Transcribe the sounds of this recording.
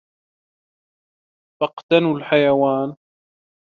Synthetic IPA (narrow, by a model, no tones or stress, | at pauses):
fɑqt̪anulħajawaːn